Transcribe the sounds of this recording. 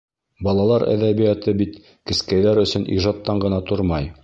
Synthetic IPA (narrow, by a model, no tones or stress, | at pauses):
bɑlˠɑlˠɑɾæ̰ðæβijæt̪ɘbit̪ | kɘ̆skæjlæɾɵ̆sɵnʔḭʒɑt̪ːɑɴɢɤ̆nɑt̪oɾmɑj